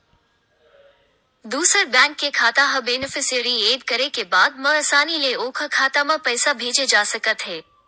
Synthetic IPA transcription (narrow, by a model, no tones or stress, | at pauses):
d̪uːsəɾbɛ̃ːŋkːekʰaːt̪aɦɐbeːnɪfɪsiəɾieːd̪kɐɾekebaːd̪̚mɐ̃əsaːnileoːkʰəkʰaːt̪amɐ̃pɛːsabʱeːd͡ʒed͡ʒaːsɐkət̪ɦeː